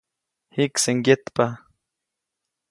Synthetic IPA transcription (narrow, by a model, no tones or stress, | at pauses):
hikseŋjet̪pa